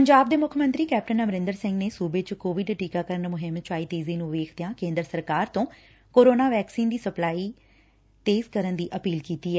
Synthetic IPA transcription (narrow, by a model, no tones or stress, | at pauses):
pəɲd͡ʒaːb̚d̪eːmʊkʰəmə̃nt̪ɾiːkɛːp̚ʈənəmɾɪ̃nd̪əɾsɪ̃ŋɡneːsuːbeːt͡ʃkoːʋɪɖʈiːkaːkəɾənmʊɦɪmt͡ʃaːiːt̪eːziːnũːʋeːkʰd̪ejãːkẽːnd̪ɾəsəɾkaːɾt̪õː | koːɾoːnaːʋɛːksiːnd̪iːsəplaːiː | t̪eːzkəɾənd̪iːʔəpiːlkiːt̪iːɛː